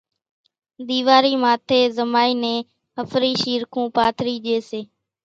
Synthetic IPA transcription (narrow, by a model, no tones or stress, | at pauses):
ɗ̪iːʋaːɾiːmaːt̪ʰeːzəmaːiːnẽː | ɦəfɾiːʃiːɾkʰũːpaːt̪ʰɾiːʄeːseː